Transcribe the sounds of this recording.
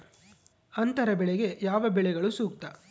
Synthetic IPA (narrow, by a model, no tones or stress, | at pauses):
ɐnt̪ɐɾɐbɛɭɛɡe̞jaːʋɐbɛɭɛɡɐɭusuːk̚t̪ɐ